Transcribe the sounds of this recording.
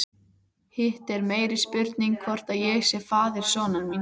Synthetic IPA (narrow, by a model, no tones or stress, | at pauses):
hɪht̪ɛɾmeːjɾɪspʏɾt̪niŋkʰvɔr̥t̪aðjɛɣsjɛfaːðɪɾ̥sɔːnaɾmin